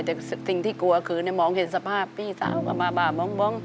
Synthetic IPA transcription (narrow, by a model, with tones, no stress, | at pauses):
t̪ɛ˨˩s̚sï˨˩ŋt̪ʰiː˧˩ku˧˦əkʰɨː˨˦nɛ˨˧˦mɔ˧˦ŋhe˨˩t̪̚sa˧˩pʰaː˧˩piː˧˩sa̰ː˧˦˥wkaː˨˩ɓaː˨˩ɓaː˨˩mɔ˧˦ŋɓɔ˧˦ŋ